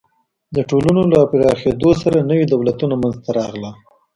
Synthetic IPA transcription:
d̪əʈolunolapɪɾɑxed̪osaɾanəwid̪awlat̪unamanzt̪aɾɑɣla

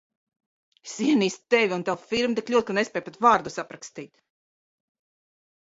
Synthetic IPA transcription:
esiɛniːst̪t̪ːɛvʲiunt̪awfiɾmt̪iklʲuɔt̪̚knespʲɛjpet̪vaːɾd̪usapɾakst̪iːt̪

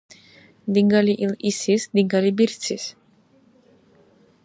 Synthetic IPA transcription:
d̪iŋɡaliʔilisisd̪iŋɡalibiɾt̪sʰis

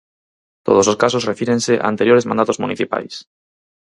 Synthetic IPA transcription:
t̪oð̞ososkasosrefiɾenseʔa̰a̰nt̪eɾjoɾezmã̰nat̪ozmuniθipa̰js

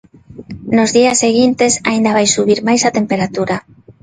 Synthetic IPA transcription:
nozðiasːeɣ̞int̪esaind̪aβajsuβ̞iɾmajsat̪empeɾat̪uɾa

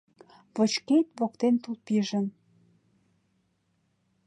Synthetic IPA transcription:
βə̆t͡ɕket̪βokt̪ent̪ulpiʒən

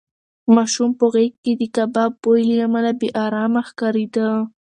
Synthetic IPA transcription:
maʃʊmpoɣekkːɪd̪ɪkababojliamalabeʔaɾaːmaxkaɾid̪a

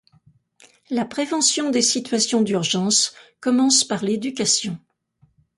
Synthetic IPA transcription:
lapχevɑ̃sjɔ̃d̪esit̪ɥasjɔ̃d̪yʁʒɑ̃skɔmɑ̃spaʁled̪ykʲasjɔ̃

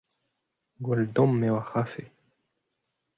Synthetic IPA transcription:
ɡuld̪omːewaxafe

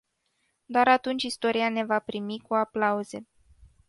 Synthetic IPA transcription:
d̪oaɾat̪unt͡ʃʲist̪o̞ɾiane̞vapɾimikuaplauze̞

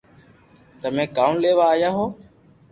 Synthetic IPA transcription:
t̪əmẽːkaːmleːʋaːjaːɦoː

